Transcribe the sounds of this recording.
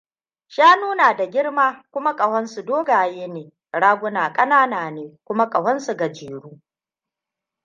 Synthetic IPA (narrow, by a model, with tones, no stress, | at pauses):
ʃaː˦nuː˦naː˨da˨ɡʲɪ˦ɽmaː˦kʷʊ˦ma˦kʼɐ˨hɐ˦nsu˨doː˦ɡaː˨jeː˦neː˨ | ɽaː˦ɡʷʊ˦naː˨kʼɐ˦naː˦naː˨neː˨kʷʊ˦ma˦kʼɐ˨wɐ˦nsu˨ɡa˨d͡ʒeː˨ɽuː˦